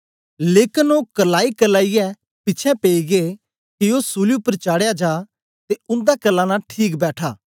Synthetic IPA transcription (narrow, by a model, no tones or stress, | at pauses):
leːkɪnoːkəlaːikəlaːijɛ | pɪːt͡ʃʰɛ̃peːiɡe | kɪoːsuːliʊpːəɾt͡ʃaːɽejad͡ʒaː | t̪eʊ̃nd̪akɐlːãnaːʈʰiːkbɛːʈʰaː